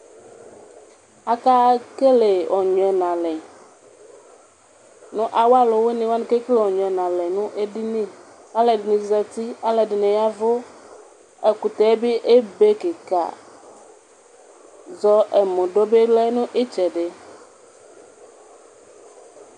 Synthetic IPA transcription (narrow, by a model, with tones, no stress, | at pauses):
a˦ka˦ke˦le˨ɔ˨ɲɔ̃˨ɛ˨nã˨lɛ˨ | nũ˦ʔa˨wa˦lo˨we˦nĩ˨wa˦nĩ˦ke˦ke˦le˦˨wɔ˨ɲɔ˨ɛ˨nã˨lɛ˨nũ˦ʔe˦ɖi˦nĩ˦ | a˦le˨dɪ˨nĩ˨zɛ˨t̪i˦a˦le˨ɖɪ˨nẽ˨ja˦vo˦ | e˨ku˨t̪ɛ˨˦bi˦ʔe˦be˦ke˨ka̰˨ | zɔ˦e˨mõ˨ɖo˦be˦lɛ˦nũ˦ʔe˦t͡ʃɛ˨ɖe˦